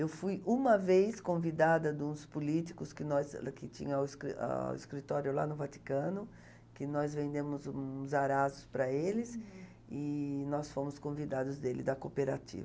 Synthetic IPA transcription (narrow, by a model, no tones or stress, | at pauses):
ewfujũmɐvejskõvid̪ad̪ɐd̪ũspʊliti̥kʊskɪnɔzkɪt͡ʃḭ̃ɲɐ̃wɪskɾḭa̰ḭskɾit̪ɔɾjʊla̰nʊvat̪i̥kɐ̃nʊ | kɪnɔzvẽnd̪ẽmʊzũzaɾazʊspɾɐelɪs | ɪnɔsfõmʊskõvid̪ad̪ʊzd̪elɪd̪ɐkopeɾat͡ʃḭvɐ